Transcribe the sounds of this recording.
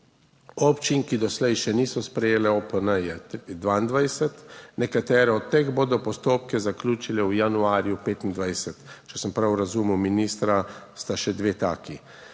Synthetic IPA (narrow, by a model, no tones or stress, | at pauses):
ɔpt͡ʃinkid̪ɔslɛjʃɛniːsɔspɾɛjeːlɛɔpənəjɛd̪ʋaind̪ʋajsɛt̪nɛkat̪ɛːɾɛɔt̪̚t̪ːeːɣboːd̪ɔpɔst̪oːpkɛzaklʲuːt͡ʃilɛwjanuaːɾjupeːt̪ind̪ʋajsɛt̪t͡ʃɛsəmpɾawɾazumiwminiːst̪ɾast̪aʃɛd̪ʋeːt̪aːki